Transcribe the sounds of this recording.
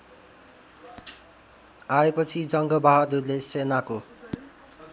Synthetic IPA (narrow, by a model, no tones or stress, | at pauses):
aepʌt͡sʰid͡zʌŋɡʌbaɦad̪urlesenako